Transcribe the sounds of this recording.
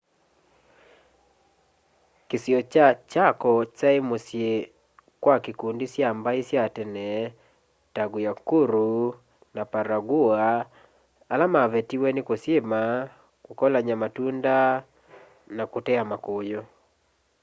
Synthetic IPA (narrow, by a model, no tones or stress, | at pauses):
kesjɔat͡ʃakɔt͡ʃaemosje | kwakekundisjambaisjatɛnɛ | taɡojakuɾu | napaɾaɡuaː | lamavɛtiwɛnekosjema | kokɔlaɲamatunda | nakotɛamakojɔ